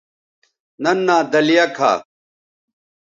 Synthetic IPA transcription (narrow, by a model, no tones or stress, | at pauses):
nɐnːaːd̪ɐlijɐkʰa̰ː